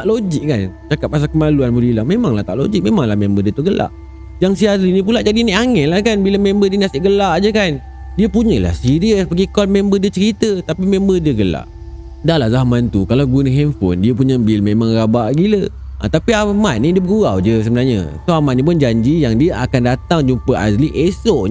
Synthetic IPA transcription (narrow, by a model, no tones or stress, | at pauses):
aʔlod͡ʒɪk̚kant͡ʃakap̚mas̬akəmaluanbulilahmemaŋlaht̪a̰ʔlo̰d͡ʒik̚memaŋlahmembədiət̪uɡəla̰ʔ | d͡ʒaŋsiaɾinĩp̬ulaʔd͡ʒadiniʔaŋɛnlahkanbiləmembədiənasɪʔɡəlaʔd͡ʒəkan | diəpuɲəla̰hsiɾiəspəɡikɔlmẽmbədiət͡ʃəɾit̪ət̪apimẽmbədiəɡəla̰ʔ | dalahzahmant̪ukalawɡunəɦɛnfo̰ndiəp̬uɲəbilmemãŋɾabaʔɡilə | ʔa̰t̪apiamaʔ̪̚nidiəbəɡuawd͡ʒəs̬əbənaɲə̰soamaʔ̪̚nip̬ʊnd͡ʒaɲd͡ʒijaŋdiəʔakandat̪aŋd͡ʒumpəʔazliʔesɔʔ